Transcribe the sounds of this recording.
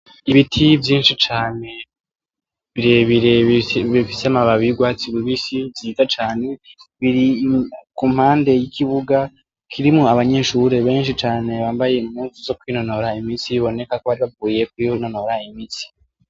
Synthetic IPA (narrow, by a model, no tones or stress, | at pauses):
iβitʰivjiːnʃit͡ʃaːne̞ | βiɾeβiɾeβifiseamaβaβiɡwaːt͡siβuβisivjiːtat͡ʃaːne̞βiɾikum̥haːnde̞jikʰiβuɡa | kʰiɾimoaβaɲe̞ʃuɾe̞βe̞ːnʃit͡ʃaːne̞βaːmbaje̞imuːnsuzo̞kwino̞no̞ɾaimiːnsiβiβo̞ne̞kakoβaɾiβavuːje̞kwino̞noɾaimisi̥